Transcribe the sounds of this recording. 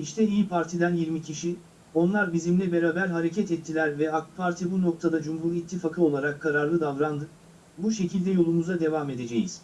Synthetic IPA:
iʃt̪ʰɛijipʰaɾt̪ʰid̪ænjiɾmicʰiʃi | o̞nlˠaɾbizimlʲɛbe̞ɾaːbæɾɦaɾe̞cʰɛt̪ɛt̪ʰːilʲæɾvɛak̪̚pʰaɾt̪ʰibuno̞k̚t̪ʰad̪ad͡ʒumɦuɾit̪ʰːifakʰɯo̞lˠaɾakʰːaɾaɾlˠɯd̪avɾand̪ɯ | buʃe̞cʰilʲd̪ɛjo̞lˠumuzad̪e̞vaːme̞d̪e̞d͡ʒejiz̥

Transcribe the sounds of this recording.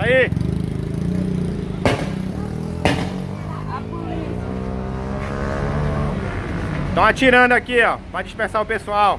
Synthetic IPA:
ai | t̪ɐ̃w̃at͡ʃiɾɐ̃d̪ʊakiɔpɾɐd͡ʒiʃpẽsaɾʊpesuaw

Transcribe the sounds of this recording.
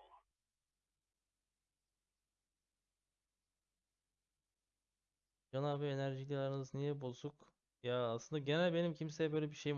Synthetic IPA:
d͡ʒanavɛenæɾʒilʲlˠaɾɯnɯznijɛbusuk | jaaːslˠɯnd̪aɟe̞nælʲbenimcʰimsejɛbølʲebiʃe̞jim

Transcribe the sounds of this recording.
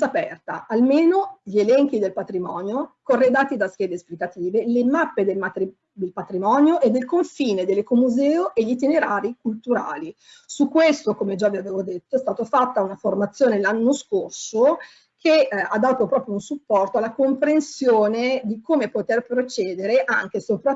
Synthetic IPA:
apɛ̰rt̪a̰ʔalmeːnoʎielɛŋk̟id̪elpat̪ɾimɔːnjokorːed̪aːt̪id̪ask̟jɛːd̪esplikat̪iːvelemapːed̪emat̪i | d̪elpat̪ɾimɔːnjoʔed̪ːelkoɱfiːned̪elekomuzɛːoʔeʎit̪ineɾaːɾik̚ult̪uɾa̰ːli | sukːwest̪okomed͡ʒaviaveːvod̪et̪ːoɛst̪aːt̪ofat̪ːaunaformat̪sːjoːnelanːoskorso | kʰead̪ːaːt̪opɾɔːpɾjounsupːɔrt̪oalːakompɾensjoːned̪ikoːmepot̪erpɾot͡ʃɛːd̪eɾeʔa̰ŋkesopɾa

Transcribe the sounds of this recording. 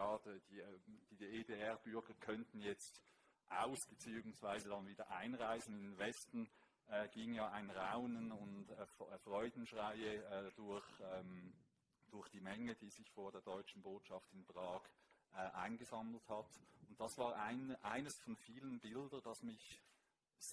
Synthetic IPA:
ɑːdəd̥iːd̥iːdeːdeːɛɐbʏɐɡɐkʰœntn̩jɛt͡st | ʔaʊsb̥ət͡siːʊŋsv̥aɪzədɑnviːdɐʔaɪnʁaɪzn̩ɪndnvɛstn̩ | ɛːɡ̥iːŋjaːaɪnʁaʊnənʊntːffʁɔʏdn̩ʃʁaɪəd̥ʊɐçɛːm | d̥ʊɐçd̥iːmɛŋəd̥iːzɪçfoːɐdeːɐdɔʏt͡ʃn̩boːtʃɑftɪnbʁɑːkʔɛʔaɪnɡəzɑml̩thɑtʊnt̚d̥ɑsv̥aːʁʔaɪnʔaɪnəsfɔnfiːlənbɪldənd̥ɑsmɪç

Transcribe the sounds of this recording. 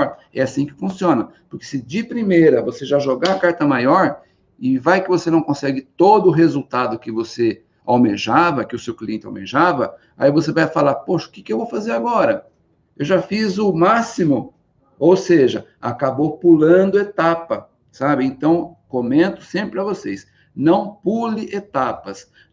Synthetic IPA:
ɾ | ɛasĩkɪ̥fũsiõnɐpʊɾkɪ̥sɪd͡ʒɪpɾimejɾɐvoseʒaʒoɡaakaɾt̪ɐmajɔɾ | ɪvajkɪvosenɐ̃w̃kõsɛɡɪt̪od̪ʊɦezuwt̪ad̪ʊkɪvose | awmeʒavɐkɪʊsewkliẽnt͡ʃɪa̰wmḛʒavɐ | a̰ivosevajfalaɾpoʃɐʊ̥kɪ̥kɪewvowfazeɾaɡɔɾɐ | ewʒafizʊmasimʊ | owseʒɐa̰kabopulɐ̃d̪ʊet̪apɐ | sabɪẽnt̪ɐ̃w̃komẽnt̪ʊ̥sẽpɾɪpɾɪɐvosejs | nɐ̃w̃pulɪʔet̪apɐs

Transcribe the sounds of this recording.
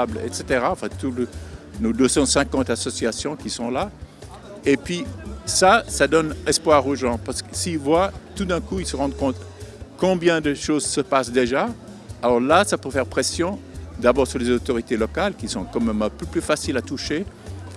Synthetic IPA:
blɛ̰t̪set̪eʁaɑ̃fɛ̃t̪ulnod̪øsɑ̃sɛ̃kɑ̃t̪asɔsiasjɔ̃kʲisɔ̃la | epɥisasad̪ɔnɛspwaʁoʒɑ̃paʁsə̥kəsivwat̪ud̪ɛ̃kuilsəʁɑ̃d̪kɔ̃t̪kɔ̃bjɛ̃d̪əʃozsəpasd̪eʒa | alɔʁlasapøfɛʁpχɛsjɔ̃d̪abɔʁsyʁlezot̪ɔʁit̪elɔkalkʲisɔ̃kɑ̃mɛmɛ̃pøplyfasilat̪uʃe

